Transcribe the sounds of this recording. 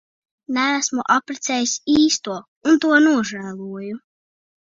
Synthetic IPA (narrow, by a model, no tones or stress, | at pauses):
næːsmuʔapɾɛt̪sɛjisʲiːst̪uɔ | unt̪uɔnuɔʒæːlˠuɔju